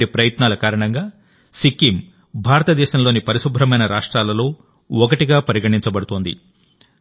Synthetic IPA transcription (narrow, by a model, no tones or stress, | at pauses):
ipɾɐjɐt̪naːlɐkaːɾɐɳɐŋɡaː | sikːim | bʱaːɾɐt̪ɐd̪ɛːʃɐmlo̞ːnipɐɾiʃubʱɾɐmɐjnɐɾaːʂʈɾaːlɐlo̞ː | ɔkɐʈiɡaːpɐɾiɡɐʈiɲt͡ʃɐbɐɽut̪oːnd̪ḭ